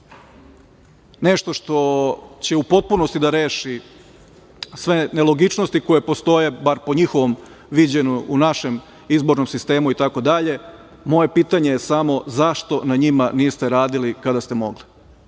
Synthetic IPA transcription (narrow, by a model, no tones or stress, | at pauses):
ne̞ʃt̪o̞ʃt̪o̞t͡ɕe̞upo̞t̪̚puno̞st̪id̪aɾe̞ːʃi | sʋenelˠo̞ɡit͡ʃnost̪iko̞je̞po̞st̪o̞je̞baɾpo̞ɲixo̞ʋo̞m | ʋid͡ʑeɲuunaʃe̞m | izbo̞ɾno̞msist̪e̞ːmuit̪ako̞d̪aʎe̞ | mo̞je̞piːt̪aɲe̞jesamo̞zaʃt̪o̞naɲimaniːjest̪eɾaːd̪ilikad̪ast̪e̞mo̞̰ɡli